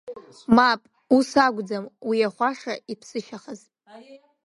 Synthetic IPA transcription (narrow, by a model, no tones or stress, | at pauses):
mapʼ | usaɡʷd͡zamwijaχʷaʂaipʰsɨʃaχazʼ